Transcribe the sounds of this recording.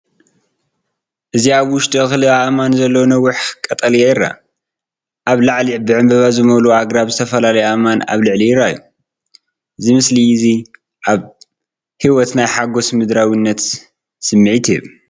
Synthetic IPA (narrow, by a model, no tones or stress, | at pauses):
ʔɨziaβwʊʃt̪ʰʼiɨxlɨaʔmanzɐlːownɐwːʊħkʼːɐt̪ʼɐlijajɪɾːa̰ | ʔaβlaʕlibɨʕɨmbɐβazɨmɐluaɡɾaβzɨt̪ʰɐfɐlalɐjamana̰βlɨʕlijɪɾːajːu | ʔɨzimɨslizi | ʔaβ | hiwɔt̪najħaɡo̞smɨd̪ɾawinːɐt̪ | sɨmːɨʕit̪ʰɛ